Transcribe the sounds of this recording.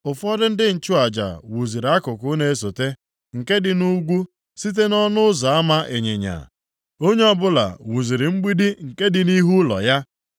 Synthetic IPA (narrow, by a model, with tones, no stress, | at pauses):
ʊ˨fɔ˦dɪ˦n̩˦dɪ˦n̩˨t͡ʃʊ˦a˨d͡ʒa̰˨wu˨zi˨ɾa˦kʊ˨kʊ˨˦ne˦so˨te˦ | ŋ̩˨ke˦dɪ˨nu˦ɡʷu˦ | si˦t̬e˦nɔ˦nʊ˦ʊ˦za˨a˦ma˦ʔe˨ɲḛ˨ɲa̰˨ | o˦ɲe˦ɔ˦bʊ˦la̰˨wu˨zi˨ɾi˨ŋ͡m̩˦ɡ͡bi˦di˦ŋ̩˨ke˦dɪ˨ni˦ɦu˦lɔ̰˨ja˦